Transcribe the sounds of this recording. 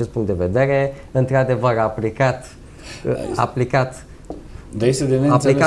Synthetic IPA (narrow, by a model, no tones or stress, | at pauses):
t͡ʃest̪puŋkt̪d̪e̞ve̞d̪e̞ɾe̞ɨnt̪ɾad̪e̞vəɾaplikat̪ | a̰plikat̪ | d̪ajest̪ed̪emeaplika